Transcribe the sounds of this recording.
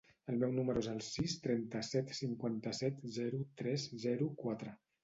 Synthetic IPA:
əlˠmɛwnuməɾuezəlˠsist̪ɾɛnt̪əsɛt̪siŋkwant̪əsɛt̪zɛɾut̪ɾɛzzɛɾukwat̪ɾə

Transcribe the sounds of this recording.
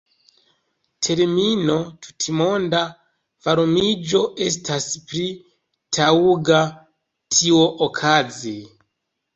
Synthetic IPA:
tʰe̞ɾmino̞tu̥tʰimo̞nda | vaɾumid͡ʒo̞ʔe̞s̬tʰaspɾi | tʰauɡa | tʰioʔokʰazi

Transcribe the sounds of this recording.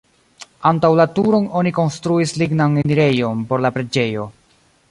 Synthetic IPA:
antawlatuɾo̞no̞niko̞nstɾuisliɡnaneniɾe̞jo̞npo̞ɾlapɾe̞d͡ʒe̞jo̞

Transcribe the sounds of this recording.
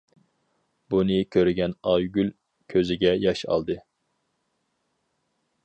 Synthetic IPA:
bunɨkʲʰøɾɡʲɛnɑjɡʲylʲ | kʲʰøzɪɡʲɛjɑʃɑ̰lˠd̪ɨ

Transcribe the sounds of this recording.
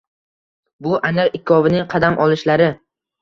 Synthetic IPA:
bʊʔanɪɾɪkʲʰːɒvɪnɪŋqʰɑd̪amʔɒlˠɪʃlaɾɪ

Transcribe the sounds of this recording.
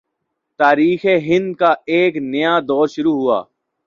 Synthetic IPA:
t̪aːɾiːxeɦɪ̃nd̪̚kaeːknɐjaːd̪ɔːɾʃʊɾuːɦʊa̰ː

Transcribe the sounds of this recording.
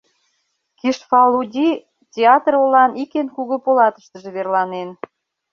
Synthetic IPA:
kiʃfɑludʲi | tʲeɑt̪rolɑnikenkuɣopolɑt̪ə̥ʃt̪əʒeβerlɑnen

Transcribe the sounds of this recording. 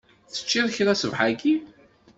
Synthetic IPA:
θə̥t͡ʃːiðˤçɾˤæsəvħaɡi

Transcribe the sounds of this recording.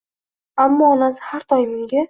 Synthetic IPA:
amːɒːnasɪ̥haɾt̪ʰɒjɪmʊŋɡʲa

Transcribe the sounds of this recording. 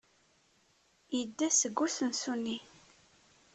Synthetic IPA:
jəd̪ːæsəɡːusənsunːi

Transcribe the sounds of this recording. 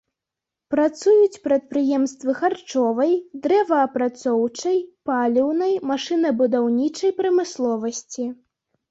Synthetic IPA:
pɾat̪sujut͡sʲpɾɐt̪̚pɾɨjɛmst̪vɨxart͡ʂɔvɐjd̪ɾɛvɐːpɾat̪sɔwt͡ʂɐjpalʲiwnɐjmaʂɨnɐbud̪awnʲit͡ʂɐjpɾɐmɨslˠɔvɐsʲt͡sʲi

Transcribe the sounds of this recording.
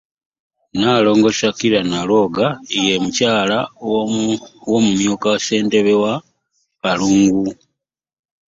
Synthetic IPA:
nalo̞ːŋɡo̞ʃakiɾanalo̞ɡaijemucaːla | womumjukawse̞ːnte̞βewa | βaluːŋɡu

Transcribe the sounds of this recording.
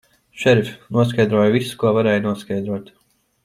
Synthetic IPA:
ʃɛɾfʲnuɔskajd̪ɾuɔːjvisu̥kuɔvaɾɛːjnuɔskajd̪ɾuɔt̪

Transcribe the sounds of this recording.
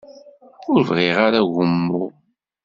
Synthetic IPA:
ʊɾvʁiʁaɾaʝəmːʊ

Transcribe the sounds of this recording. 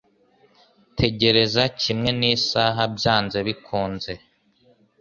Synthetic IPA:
tʰe̞ɟe̞ɾe̞zacimŋe̞nisaːɦabjaːnze̞βikʰuːnze̞

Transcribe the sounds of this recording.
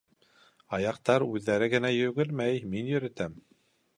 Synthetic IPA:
ɑjɑq̚t̪ɑɾʉðːæɾɘɡɘ̆næjɵ̆ɡɘlmæjminjɵ̆ɾɘ̆t̪æm

